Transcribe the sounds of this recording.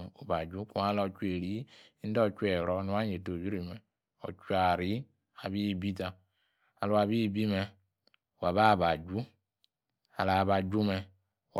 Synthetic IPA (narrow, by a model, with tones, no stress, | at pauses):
o˨ba˨d͡ʒu˦ku˦a˦lɔ˨t͡ʃu˦e˨ɾi˨˦n̩˦dɔ˦˨t͡ʃu˦ɛ˨ɾɔ˨˦nu˨˦a˦ɲe˨to˨d͡ʒu˦ɾi˨mɛ˨ | ɔ̰˨t͡ʃu˦a˨ɾi˦ | a˨βi˦˨bi˦ta˨ | a˨lu˨a˨βi˦˨bi˦mɛ˧˨ | wa˨βa˦˨ba˨d͡ʒu˦ | a̰˨la˨ba˨d͡ʒu˦mɛ˧˨